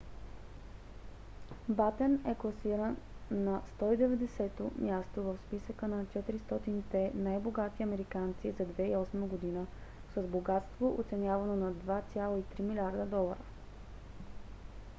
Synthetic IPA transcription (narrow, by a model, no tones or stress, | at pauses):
bat̪ɛnɛklˠɐsiɾənːɐst̪ɔid̪ɛvɛd̪ɛsɛt̪omjast̪ovəfspisəkənɐt͡ʃɛt̪iɾist̪ɔt̪init̪ɛnajboɡat̪iɐmɛɾikant̪sizɐd̪vɛiɔsməɡod̪inə | səzboɡat̪st̪voʔo̰t̪sɛnʲjavɐnonɐd̪vat̪sʲjalˠoit̪ɾimilʲaɾd̪əd̪ɔlˠə̰ɾə